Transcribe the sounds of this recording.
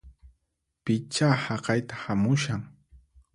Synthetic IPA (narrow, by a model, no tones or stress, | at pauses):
pɪt͡ʃahɑqɑjt̪ḁhamʊʃaŋ